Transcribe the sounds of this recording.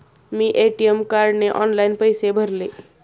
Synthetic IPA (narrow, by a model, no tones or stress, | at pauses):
miʔeʈijemkaɾɖneʔɔnlaɪnpəjsebʱəɾle